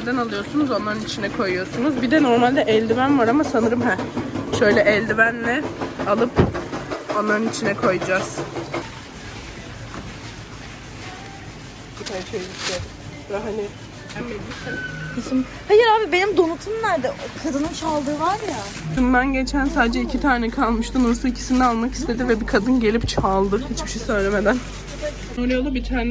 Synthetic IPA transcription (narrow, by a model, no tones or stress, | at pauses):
ɾd̪ænalˠɯjo̞ɾsunuzo̞naɾɯnit͡ʃʰinɛkʰo̞jujo̞sunuzbid̪ɛno̞ɾmalʲd̪ɛʔɛlʲd̪ivænvaɾamasanɯɾɯmɦæʃø̞jlʲɛʔɛlʲd̪ivænlɛalˠɯp | o̞nlːˠaɾɯnit͡ʃʰinɛkʰo̞jud͡ʒaz̥ | bit̪ʰajʃejlʲicʰlʲed̪im | vaɦanɪ | hæmːelʲːisɛkʰɯsɯm | pʰejiɾaːbibe̞nimd̪o̞nut̪ʰunnæɾd̪ɛʔokʰad̪ɯnɯnt͡ʃʰalˠd̪ɯːvaɾja | ʃund̪anɟe̞t͡ʃʰænsaːd̪ed͡ʒɛicʰit̪ʰaːɾnɛkʰalˠmɯʃt̪ʰunuɾsuicʰi̥sind̪ɛalˠmakist̪ʰed̪ivɛbikʰad̪ɯnɟe̞lʲipt͡ʃʰalˠd̪ɯhit͡ʃbi̥ʃejsø̞jlʲeme̞d̪æn | noɾijolˠubit̪ʰaːnɛ